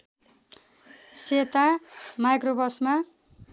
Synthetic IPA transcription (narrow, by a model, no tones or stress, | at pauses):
set̪amajkrobʌsma